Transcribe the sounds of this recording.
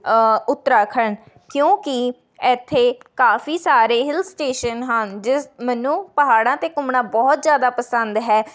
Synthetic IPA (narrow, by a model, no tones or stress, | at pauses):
ʊt̪ːɾaːkʰən | kjõːkɪ | ɛːt̪ʰːeːkaːfʰiːsaːɾeːɦɪlsʈeːʃənɦənd͡ʒɪsmɛːnũːpəɦaːɽãːt̪eːkʊmɳãːbɔːt̪zjaːd̪aːpəsənd̪ɦɛː